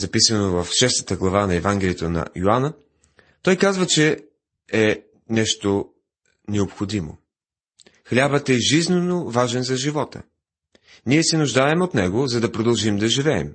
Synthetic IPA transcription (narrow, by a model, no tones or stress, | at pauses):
zɐpisənovɐfʃɛst̪ə̥t̪əɡlˠɐvanɐɛvaŋɡʲɛlʲiɛt̪onɐ̰joanə | t̪ɔjkazvət͡ʃɛ | ɛ | nɛʃt̪o | nɛopxod̪imo̰ | xlʲabət̪ɛʒiznɛnovaʒɛnzɐʒivɔt̪ə̰ | niɛsɛnuʒd̪aɛmot̪nɛɡozɐd̪ɐpɾod̪ɐlˠʒimd̪ɐʒivɛ̰ːm